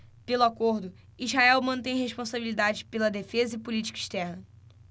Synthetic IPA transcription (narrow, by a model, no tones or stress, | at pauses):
pelʊakoɾd̪ʊ | izɦaɛwmɐ̃t̪ẽj̃ɦeʃpõsabilid̪ad͡ʒɪpelɐd̪efezɐipulit͡ʃi̥kɐiʃt̪ɛɾnɐ